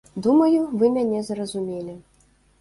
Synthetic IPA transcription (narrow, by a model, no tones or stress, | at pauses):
d̪umɐjuvɨmʲanʲɛzrɐzumʲelʲi